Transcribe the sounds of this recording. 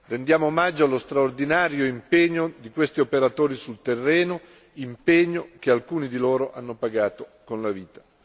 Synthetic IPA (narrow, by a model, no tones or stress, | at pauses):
rend̪jaːmomad͡ʒːoalost̪ɾaord̪inaːɾjoimpeɲːod̪ikwest̪iopeɾat̪oːɾisult̪erːɛːno | impeɲːok̟ealkuːnid̪iloːɾoʔanːopaɡaːt̪okonlaviːt̪ḁ